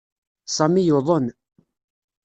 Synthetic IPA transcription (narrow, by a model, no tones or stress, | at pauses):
sˤɑmijuðˤən